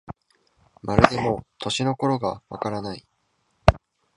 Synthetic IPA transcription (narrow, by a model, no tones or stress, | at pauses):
maɾɯ̟d̪e̞mo̞t̪ʰo̞ɕino̞ko̞ɾo̞ɡaβa̰kaɾanai